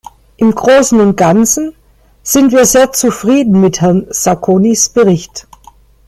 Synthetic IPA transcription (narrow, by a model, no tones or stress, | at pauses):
ʔɪmɡʁoːsn̩ʊnt̚ɡ̥ant͡sn̩ | z̥ɪntv̥iːɐzeːɐt͡sufʁ̥iːdn̩mɪthɛɐnz̥akʰoːnisb̥əʁɪçt